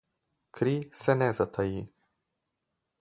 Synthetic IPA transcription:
kʰɾisenezət̪ʰaji

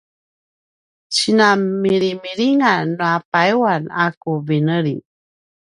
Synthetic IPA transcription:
t͡ɕinamiɾimiɾiŋanːuapaiwanakuvinəɾi

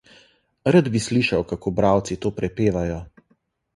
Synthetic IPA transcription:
ɾad̪bisliʃawkakoːbɾaːwt̪sit̪oːpɾɛpeːʋajɔ

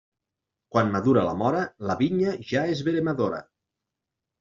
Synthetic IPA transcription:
kwanmaðuɾala̰mɔɾalaβiɲaʒaezβeɾemaðoɾa̰

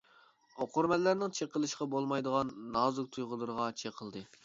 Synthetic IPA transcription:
oqʰʊɾmɛllːæɾnɪŋt͡ʃʰeqəlˠɨʃqɑbolˠmɑjd̪əʁɑnːɑːzʊk̚t̪ʰujʁʊlˠɨɾəʁɑt͡ʃʰeqʰəlˠd̪ɨ

